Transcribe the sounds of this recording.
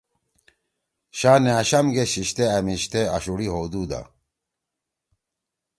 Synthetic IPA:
ɕaːneaɕɐmɡeɕiɕt̪eɐmiɕt̪eɐ̰ɕuɽiɦod̪ud̪a̰

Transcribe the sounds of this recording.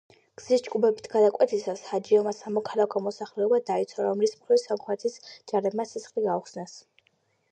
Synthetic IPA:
ɡ̥z̥isd͡ʒkʼubɛbit̪ʰɡ̥ad̪akʼwɛt̪ʰisashad͡ʒiɔmasamɔkʰalˠakʰɔmɔsaχlɛɔbad̪ait̪sʰwaɾɔmlismχɾisamχʰwɛt̪ʰisd͡ʒaɾɛbmasisχliɡauχsnas

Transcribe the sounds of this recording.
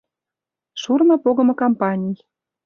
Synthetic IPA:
ʃurmɤ̆poɣɤ̆mɤ̆kompɑnʲij

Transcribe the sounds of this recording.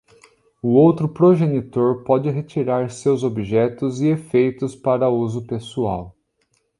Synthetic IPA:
ʊowt̪ɾʊpɾoʒenit̪oɾpɔd͡ʒɪɦet͡ʃiɾaɾsewzobiʒɛt̪ʊzɪefejt̪ʊspaɾɐuzʊpesua̰w

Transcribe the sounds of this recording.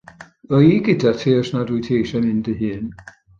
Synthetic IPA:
ɔiɡɪdatʰeːɔsnadujtʰeːʃanɪndəɦɨːn

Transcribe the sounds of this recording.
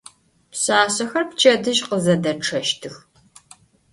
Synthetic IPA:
psaːsɐxɐrpt͡ʃʰʼɐdɨʒqəzɐdɐʈ͡ʂʰɐʃtʰɨx

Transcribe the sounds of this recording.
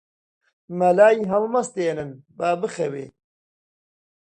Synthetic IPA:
mɐlaːiɦɐlmɐst̪eːnɨnbaːbɨxɐwḛː

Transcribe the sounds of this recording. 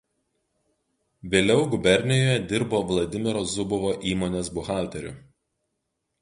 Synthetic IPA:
ʋʲeːlʲɛʊɡʊbʲɛɾʲnʲɪjoːjɛd̪ʲɪɾboːʋlˠɐd̪ʲɪmʲɪɾozʊbʊʋoːʔiːmoːnʲeːsbʊxɑˑlʲt̪ʲɛɾʲʊ̰

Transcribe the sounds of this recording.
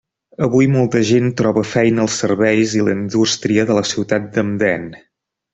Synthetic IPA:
əβujmolˠt̪əʒent̪ɾɔβəfɛjnəːlˠsːərβɛjziləind̪ust̪ɾiəðələsiwt̪at̪̚d̪əmd̪ɛn

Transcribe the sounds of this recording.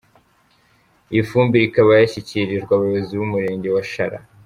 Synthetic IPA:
ifuːmbiɾikaβajaçiciɾiʒɡwaβuβaziβumuɾe̞ːɲɟe̞waʃaɾa̰

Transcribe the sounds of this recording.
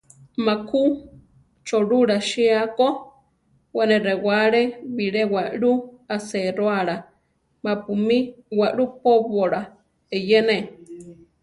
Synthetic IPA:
makʰu | t͡ʃoɺuɾaʃiako | wanẽɾewaɺeβiɺewaʔɺuaseɾoaɺa | mapumiwaʔɺupoβoɺa | ejene

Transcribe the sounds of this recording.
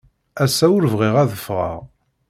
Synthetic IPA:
æsːæʊɾvʁiʁæðəfʁə̰ʁ

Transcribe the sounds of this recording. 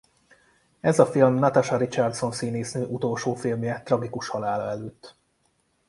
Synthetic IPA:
ɛzɒfilmnɒt̪aʃɒɾit͡ʃart̪so̞nsiːneːsnøːʔut̪o̞lʃoːfilmjɛt̪rɒɡikuʃhɒlaːlɒɛløːt̪ː

